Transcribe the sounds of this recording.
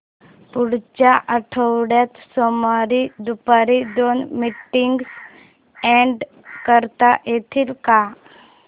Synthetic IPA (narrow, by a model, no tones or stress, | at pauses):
puɽt͡ɕaʔəʈʰəwɽjat̪sɔmaɾid̪upaɾid̪onmiʈːiŋɡs | ɛ̃ɳɖ | kəɾt̪ajet̪ʰiːlka